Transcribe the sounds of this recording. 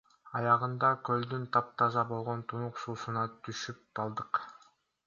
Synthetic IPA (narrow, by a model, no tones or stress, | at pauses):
ɑjɑʁɯnd̪ɑkøld̪ynt̪ʰɑp̚t̪ʰɑzɑbo̞lˠʁo̞nt̪ʰunuqsuːsunɑt̪ʰyʃyp̚t̪ɑlˠd̪ɯq